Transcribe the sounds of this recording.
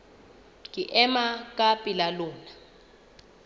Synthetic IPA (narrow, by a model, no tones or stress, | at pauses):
kʼiʔɛmakʼapʼilalʊːna